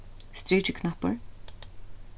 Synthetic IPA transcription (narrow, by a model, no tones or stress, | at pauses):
st̪ɹiːt͡ʃəkʰnapəɹ